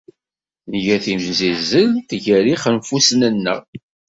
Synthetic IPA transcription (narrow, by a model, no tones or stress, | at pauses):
nəʝæθimzizəlt̪əʝæɾiχənfusnənːə